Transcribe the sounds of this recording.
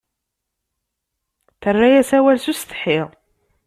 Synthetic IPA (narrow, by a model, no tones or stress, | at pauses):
θərːajæsæwælsust̪ə̥ħɪʁ